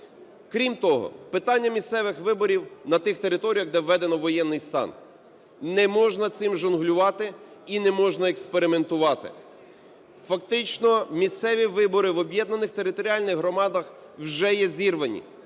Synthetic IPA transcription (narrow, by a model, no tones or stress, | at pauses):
kɾʲimt̪ɔɦɔ̰pɪt̪ɑnʲːɐmʲist̪sɛʋɪxʋɪbɔɾʲiwnɐt̪ɪxt̪e̞ɾɪt̪ɔɾʲijɐɣd̪ɛʋːɛd̪enɔʋːɔjɛnːɪjst̪ɑ̰n | nɛmɔʒnɐt̪sɪmʒʊnɦlʲʊʋɑt̪ɪinɛmɔʒnɐekspeɾɪme̞nt̪ʊʋɑt̪ɪ̰ | fɐkt̪ɪt͡ʃnɔmʲist̪sɛʋʲiʋɪbɔɾɪʋɔbʲjɛd̪nɐnɪxt̪e̞ɾɪt̪ɔɾʲiɑlʲnɪɣɦɾɔmɑd̪ɐx | wʒɛjɛzʲirʋɐnʲḭ